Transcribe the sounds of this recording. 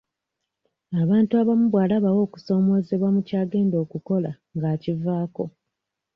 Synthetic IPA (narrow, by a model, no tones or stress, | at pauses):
aβaːntuaβamuβwaːlaβawo̞ːku̥so̞ːmo̞ːze̞βwamucaːɡe̞ːndo̞ːkuko̞la | ŋɡaːcivaːko̞